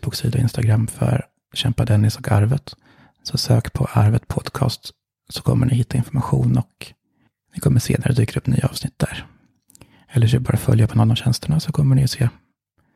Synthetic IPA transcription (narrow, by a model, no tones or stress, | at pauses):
b̥uːksiːd̪aɔɪnst̪aɡɾamːfœ̰ɾ | ɕɛmpad̪ɛnːɪsɔkʰaɾvət̪ | sɔsøːkpʰɔʔaɾvət̪pʰɔd̪kʰɑ̰ːst̪ | sɔkʰɔmːəɳɪɦɪt̪ːaɪnfɔɾmaɧuːnɔk | nɪkʰɔmːəʂḛːnaɾəd̪yːkəɾɵpːny̰ːaɑːvsnɪt̪̚ːd̪æɾ | ɛlːəfɛbɑːɾafœljapʰɔnɔnːɔmɕɛnst̪əɳasɔkʰɔmːəɳɪɔseː